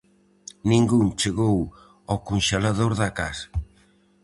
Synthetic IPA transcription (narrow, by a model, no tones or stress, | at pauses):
nĩŋɡuŋt͡ʃeɣow | ɔkunʃelaðoɾðɐkasḁ